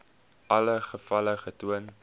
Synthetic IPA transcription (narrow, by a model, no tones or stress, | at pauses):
ʔɐləχəfɐləχətuən